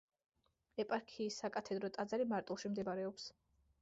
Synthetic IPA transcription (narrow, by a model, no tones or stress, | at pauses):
ɛpʼaɾkʰiːsːakʼat̪ʰɛd̪ɾɔt̪ʼad̪zaɾimaɾt̪ʼulˠʃimd̪ɛbaɾɛɔps